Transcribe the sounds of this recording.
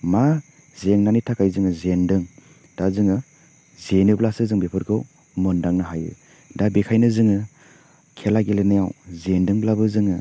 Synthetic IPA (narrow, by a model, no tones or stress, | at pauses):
ma | zeŋnanitʰakʰajzɯŋɯzendɯŋ | d̥azɯŋɯ | zenɯblasɯzɯŋbepʰɯɾkʰɯw | mɯndaŋnaɦajɯ̰ | dabekʰajnɯzɯŋɯ | kʰelaɡelenajawzendɯŋblabɯzɯŋɯ